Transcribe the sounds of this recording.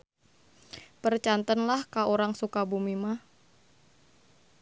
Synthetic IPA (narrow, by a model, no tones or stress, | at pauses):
pərt͡ʃant̪ənlahkaoɾaŋsukabumimah